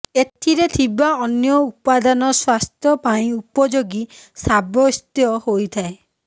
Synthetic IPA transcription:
et̪ʰiɾet̪ʰibaɔnjɔupad̪anɔswast̪ʰjɔpaĩupɔd͡ʒoɡisabɔst̪jɔhojt̪ʰae

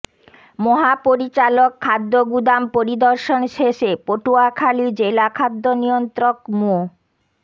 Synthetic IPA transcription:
moɦapoɾit͡ɕalokʰːad̪ːoɡud̪ampoɾid̪oɾʃonʃeʃepoʈuakʰalid͡ʑelakʰad̪ːonijont̪ɾokmoo

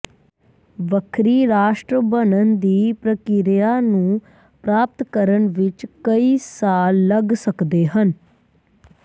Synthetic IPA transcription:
ʋəkʰɾiːɾaːʃʈɾəbənənd̪iːpɾəkɪɾjaːnũː | pɾaːp̚t̪kəɾəɳʋɪt͡ʃkəiːsaːlːəɡsəkd̪eːɦən

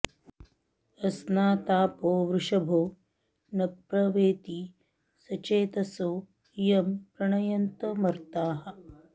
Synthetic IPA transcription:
ɐsnaːt̪aːpoːʋɾuʂɐbʱoː | nɐpɾɐʋeːt̪iː | sɐt͡ʃeːt̪ɐsoː | jɐmpɾɐɳɐjɐnt̪ɐmɐɾt̪aːɦɐ̆

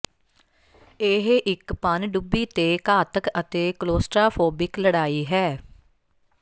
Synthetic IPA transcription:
eɦʔɪkpənɖʊbːiːt̪eːkaːt̪əkət̪eːkloːsʈɾaːpʰoːbɪkləɽaːiːɦɛː

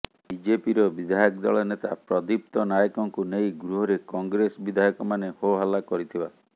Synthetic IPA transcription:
bid͡ʒepiɾɔbid̪ʱajɔk̚d̪ɔɭɔnet̪a̰pɾɔd̪ip̚t̪ɔnajɔkɔŋkunejɡɾuɦɔɾekɔŋɡɾesɔbid̪ʱajɔkɔmanehoɦalakɔɾit̪ʰiba

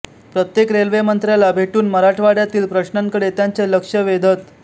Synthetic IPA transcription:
pɾət̪jekɾelʋemənt̪ɾjalabʱeʈuːnməɾaʈʋaɽjat̪iːlpɾəɕnaŋkəɽet̪jaɲt͡seləkʂəʋed̪ʱət̪

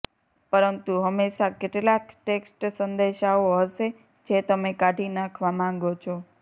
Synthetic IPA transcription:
pəɾənt̪uɦəmːeʃakɪʈlakʈeksʈsənd̪eʃaoɦəʃe | d͡ʒet̪əmekaʈinakʰʋamãŋɡot͡ʃʰo

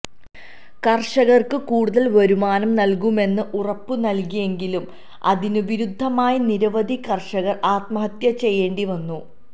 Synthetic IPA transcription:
kɐrʂɐɣɐrkɨkuːɽuðɐlʋɐɾumaːnɐmnɐlkume̞nːɨʔurɐpːɨnɐlkije̞ŋɡilum | ɐ̰ðinɨʋiɾud̪ʱːɐmaːjiniɾɐʋɐd̪ʱikɐrʂɐɣɐraːt̪mɐɦɐt̪jɐt͡ɕe̞jːe̞ːɳɖiʋɐnːu

